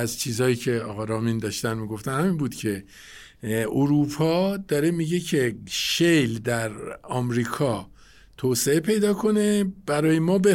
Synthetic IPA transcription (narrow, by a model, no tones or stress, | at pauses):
æzt͡ʃʰiːzhɒːjiːcʰe̞ɒːɣɒɾɒːmiːnd̪ɒːʃt̪ænmiːɡo̞ft̪ænhæmiːnbuːd̪̥cʲʰe̞ | oɾuːpʰɒːd̪ɒːɾe̞miːɟe̞cʰe̞ʃejld̪æɾɒːmɾiːkʰɒː | t̪ʰoːse̞epʰe̞jd̪ɒːkʰo̞ne̞b̥æɾɒːjemɒːbe